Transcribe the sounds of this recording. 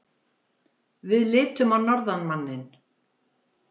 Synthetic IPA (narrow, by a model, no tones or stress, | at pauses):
vɪðlɪːt̪ʏmawnɔɾðanmanːɪn